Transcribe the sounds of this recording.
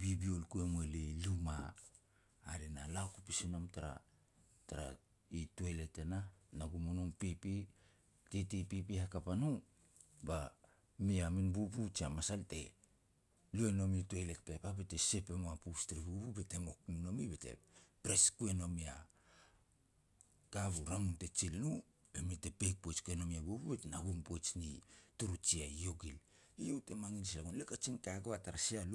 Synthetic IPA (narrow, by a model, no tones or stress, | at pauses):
bibiolkuemwelelumaː | ɾinalakupisino̞mtaɾa̰ | taɾa̰ | ituele̞te̞nanaɡumonoŋpipi | tetipipihakapanu | ba | miaminbubut͡ʃiamasalte̞̰ | liono̞mituelek̚pepabe̞te̞se̞pe̞moapustɾibubube̞te̞mo̞knino̞mibetḛpɾe̞skue̞no̞mia | kaβuɾamunte̞t͡ʃilnu | emite̞pejk̚pot͡ʃkueno̞miabububetenaɡumpot͡ʃnituɾut͡ʃiaijo̞ɡil | ijowte̞maŋinislaɡonlekat͡ʃiŋkaaɡoataɾasial